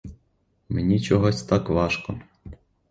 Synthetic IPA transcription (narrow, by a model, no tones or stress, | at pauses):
menʲit͡ʃɔɦɔsʲt̪ɑkʋɑʃkɔ